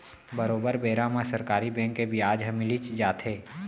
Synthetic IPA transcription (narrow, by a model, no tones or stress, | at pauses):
bəɾoːbəɾbeːɾamãsəɾkaːɾibɛ̃ːŋkːebʱiaːd͡ʒɦɐmilit͡ʃd͡ʒaːt̪ʰɦeː